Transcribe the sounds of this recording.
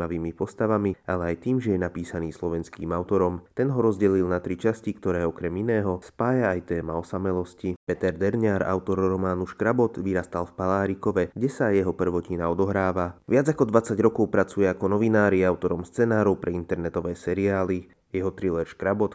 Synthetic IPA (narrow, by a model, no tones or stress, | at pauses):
aʋiːmipɔst̪aʋamialɛajt̪iːmʒɛjɛnapiːsaniːslɔʋɛnskiːmaʊt̪ɔɾɔmt̪ɛnɦɔɾɔzɟɛlilˠnat̪ɾit͡ʃascikt̪ɔɾɛːɔkɾɛminɛːɦɔspaːjaːjt̪ɛːmaɔsamɛlɔscipɛt̪ɛɾd̪ɛɾɲaːɾa̰ʊt̪ɔɾɾɔmaːnuʃkɾabɔt̪ʋiɾast̪alfpalaːɾikɔʋɛɡɟɛsajɛɦɔpr̩ʋɔcinaɔd̪ɔɦɾaːʋaʋɪad͡zakɔd̪ʋat͡saɟɾɔkɔʊpɾat͡sujɛakɔnɔʋinaːɾiaʊt̪ɔɾɔmst͡sɛnaːɾɔʊpɾɛint̪ɛɾnɛt̪ɔʋɛːsɛɾiaːli | jɛɦɔt̪ɾilɛɾʃkɾabɔt̪